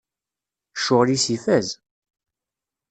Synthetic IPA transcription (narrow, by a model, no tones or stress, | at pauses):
ʃʊʁlisifæz